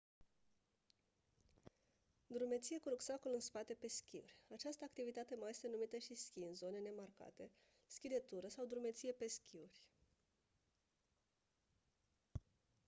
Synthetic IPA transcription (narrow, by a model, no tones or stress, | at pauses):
d̪ɾume̞t̪sijekuɾuksakolɨnspat̪e̞pe̞skʲiṵrʲat͡ʃast̪əakt̪ivit̪at̪e̞maje̞st̪e̞numit̪əʃiskʲinzone̞ne̞marka̰t̪e̞ | skʲid̪e̞t̪uɾəsawd̪ɾume̞t̪sije̞pe̞skʲʰiurʲ